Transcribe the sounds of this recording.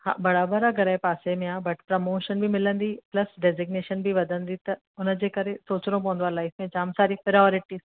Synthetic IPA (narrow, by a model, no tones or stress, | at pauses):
hã̰bɐɽabəɾaɡɐɾaepaːsemẽaːbɐʈpɾɐmoːʃənbʱimɪlə̃nd̪iplɐsɖɛzɪɡneːʃənbʱiʋɐd̪ə̃nd̪it̪ɐ | ʊnd͡ʑekɐɾẽsoːt͡ʃɾõpõːnd̪aːlaːɪsmẽd͡ʒaːmsaːɾipɪɾɔːɾɪʈiːz̥